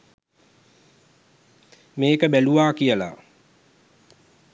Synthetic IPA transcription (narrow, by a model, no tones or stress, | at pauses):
meːkəbæluʋaːkijəla̰